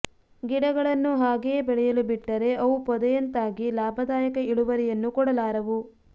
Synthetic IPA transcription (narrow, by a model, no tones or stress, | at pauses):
ɡiɽɐɡɐɭɐnːuɦaːɡejːbɛɭɛjɐlubiʈːɐɾe̞ʔɐʋupɔd̪ɐjɐnt̪aːɡilaːbʱɐd̪aːjɐkɐiɭuʋɐɾijɐnːukɔɽɐlaːɾɐʋu